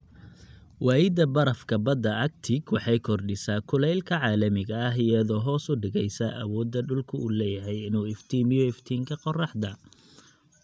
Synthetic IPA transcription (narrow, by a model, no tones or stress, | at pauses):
wɑːjɪd̪ɐbɐɾɐfkʰɐbɐd̪ːɐʔɐk̚t̪ʰɪɡwɑħɑjkʰɔrɖɪsaːkʰʊlɛjlkʰɐʕɑːlɐmɪɣɐːɦɪjɐðɔːɦɔːsʊɖɪɣɛjsɐʔɐ̰wɔːd̪ːɐɖʊlkʰʊuːlɛːjɐɦɛjɪnuːɪft̪ʰiːmɪjɔɪft̪ʰiːŋkʰɐqɔrɑħd̪ɐ